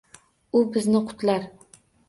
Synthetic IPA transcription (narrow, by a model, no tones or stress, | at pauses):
ʊbɪznɪqʰʊ̥t̪laɾ